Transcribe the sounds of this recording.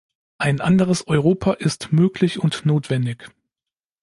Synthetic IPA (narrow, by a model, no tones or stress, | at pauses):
ʔaɪnʔandəʁ̞əsʔɔʏʁoːpʰaʔɪstmøːklɪçʊntnoːtv̥ɛndɪç